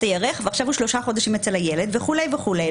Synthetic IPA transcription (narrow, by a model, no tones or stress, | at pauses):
t̪ajaʁeχveaχʃavhuʃlo̞ʃaχo̞d̪aʃimet͡selhajeled̪veχule̞jveχulej